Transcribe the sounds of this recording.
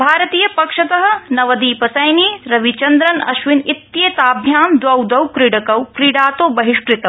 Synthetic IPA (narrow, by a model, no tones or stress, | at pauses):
bʱaːɾɐt̪iːjɐpɐkʂɐt̪ɐɦɐ̆nɐʋɐd̪iːpɐsɐjniːɾɐʋit͡ʃɐnd̪ɾɐnɐ̰ʃʋinit̪jeːt̪aːbʱjaːmd̪ʋɐwd̪ɐwkɾiɽɐkɐwkɾiɖaːt̪oːbɐɦiʂkɾit̪ɐ